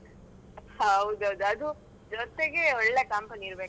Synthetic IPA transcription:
hɐʋud̪ɐʋd̪uɐd̪u | d͡ʒɔt̪eɡe̞ɔɭːekɐmpɐniːɾbek

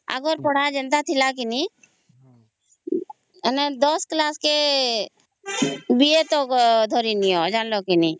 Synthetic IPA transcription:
a̰ɡɔɾpɔɽ̤ad͡ʒə̃nt̪at̪ʰilak̬ini | nd̪ɔsklaːske | biet̪od̪ʱɔɾiniɔd͡ʒaːnlokini

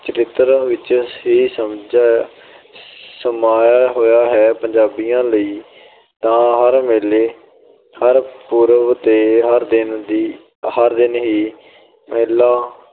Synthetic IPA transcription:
t͡ʃəɾɪt̪ːəɾʋɪt͡ʃisəmd͡ʒaː | səmaːjaːɦoːjaːɦɛːpəɲd͡ʒaːbijãːləiː | t̪ãːɦəɾmeleː | həɾpuːɾəʋt̪eːɦəɾd̪ɪnd̪i | həɾd̪ɪnɦiː | meːlaː

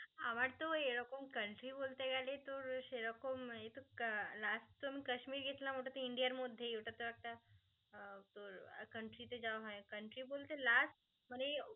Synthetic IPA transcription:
aʋaɽt̪oeɭokomkəɳʈɾibolt̪eɡalet̪oɾɕeɭokomet̪olasʈt̪omiːkəɕmiːɾɡʱet̪lamoʈat̪oiɳɖijəɾmod̪ʱjejeʈat̪oɾak̚t̪a | t̪oɾkəɳʈɾit̪ed͡zaʋɦajkəɳʈɾibolt̪elasʈ | məne

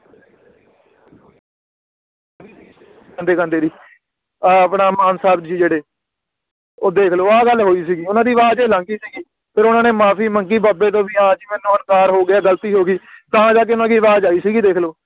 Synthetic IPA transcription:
kãnd̪eːkə̃ːnd̪eːɾiː | əpnaːmaːnsaːbd͡ʒiːd͡ʒeːɽeː | oːd̪eːkʰloːaːɡəlɦoːiːs̬iːɡiːʊnãːd̪iːʋaːd͡ʒeːlãːŋkiːsiːɡiː | pʰɪɾʊnãːneːmaːpʰiːməŋkiːbaːbeːt̪̬õːbiːãːd͡ʒiːmɛːnːũːənkaːɾɦoːɡɪaːɡəlt̪iːɦoːɡiːt̪ãːd͡ʒaːk̬eʊnãːkiːʋaːd͡ʒaːiːsiːɡiːd̪eːkʰloː

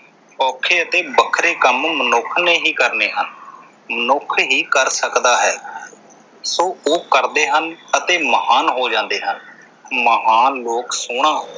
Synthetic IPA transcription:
ɔːkʰeːət̪eːbəkʰɾeːkəmmənʊkʰneːɦiːkəɾneːɦən | mənʊkʰɦiːkəɾsəkd̪aːɦɛː | soːoːkəɾd̪eːɦənət̪eːməɦaːnɦoːd͡ʒãːnd̪eːɦən | məɦaːnloːksʊɳ̃ãː

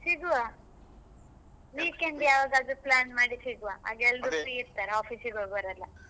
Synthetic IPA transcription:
siɡuʋa | ʋiːkeɳɖ̪jaːʋaːɡad̪uplaːnmaːɽisiɡuʋaa̰ɡɛld̪upɾiiɾt̪aɾeaːfʰiːsiɡoɭbɐɾɐlːa

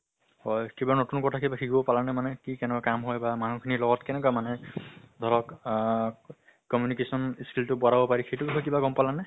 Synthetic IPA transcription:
hɔjkibanotunkɔtʰakʰibakʰiɡɔbɔpalanɛmanɛkikɛnɛkakamɦɔjbamanukʰinilɔɡɔtkɛnɛk̬amanɛd̪ʱɔɹɔk | kɔmjunikesɔniskiltʊbɔɾabɔpaɹixejtubikʰɔkibaɡɔmpalanɛ

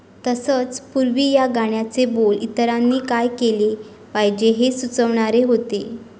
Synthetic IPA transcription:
t̪əsət͡spuɾʋiːjaɡaɳ̃jat͡sebolit̪əɾanːiːkajkele | pajd͡ʑeɦesut͡səʋɳ̃aɾeɦot̪e

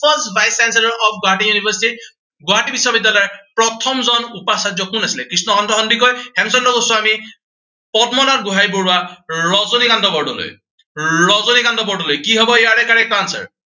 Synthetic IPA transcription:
pʰɔstbʱajskansɛlɔɹɔpʰɡʊɦaʈ̬iŋjunibʱəsiti | ɡʊɦaʈibisːwabidːalɔjɛpɹɔt̪ʰɔmzɔnupasad͡ʒjɔkunasilɛkɹisnɔxɔndɔɦɔndikɔjhɛmsɔndɔkosuami | pɔdmɔlat̚ɡuɦajbuɹaɹɔzonikandʱɔbɔɹɖɔlo̰j | ɹɔzonikandɔbɔɹɖɔlojkiɦɔbɔjaɹɛkaɹɛkansa̰ɹ

